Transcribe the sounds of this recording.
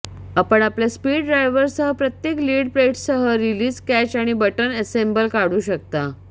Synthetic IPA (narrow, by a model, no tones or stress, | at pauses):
apəɳapljaspiːɽɖɾajʋəɾsəɦəpɾət̪jekliːɽpɾeʈsəɦəɾiliːskæt͡ɕaɽ̃ibəʈənəsembəlkaɽuːɕək̚t̪a